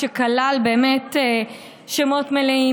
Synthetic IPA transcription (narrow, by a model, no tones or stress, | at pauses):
ekalalbeːmete | ʃemo̞tmelei